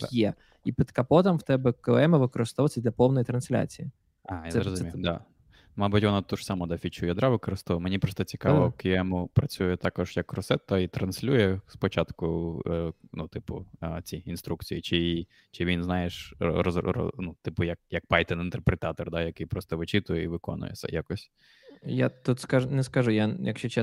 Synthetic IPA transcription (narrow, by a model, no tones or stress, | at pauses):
jɛ | ipʲɪt̪kɐpɔt̪ɐmwt̪ɛbɛkɪɛmɐʋɪkɔɾɪst̪ɔʋɐt͡sʲɐd̪ʲlʲɐpɔwnɔjit̪ɾɐnsʲlʲa̰t͡sʲiji | ɑjaɾɔzmijʊd̪a̰ | mɑbutʲʋɔnat̪uʐ̥sɑmɔd̪ɐfʲit͡ʃujɐd̪ɾaʋɪkɔɾɪst̪ɔʋɐmenʲipɾɔst̪ɔt͡sʲi̥kɑʋɔkɪɛmʊpɾɐt͡sʲujɛt̪ɑkɔʒ̥jɐkːɾɔsɛt̪ɐit̪ɾɐnsʲlʲujɛspɔt͡ʃɑt̪kʊ | nut̪ɪpʊ̰t͡sʲiinst̪ɾukt͡sʲijit͡ʃɪi | t͡ʃɪʋʲinznɑjeʃɾɔrɔ̰nut̪ɪpʊjɐk̚jɐk̚pɑjt̪ɛnɪnt̪erpɾet̪ɑt̪ɔrd̪ajɐkɪjpɾɔst̪ɔʋɪt͡ʃɪt̪ʊjɛiʋɪkɔ̰nʊ̰jɛ̰sʲɛ̰jakɔsʲ | jat̪ut̪skaʒnɛskɐʒʊjajɐ̰kʃt͡ʃɔt͡ʃɛ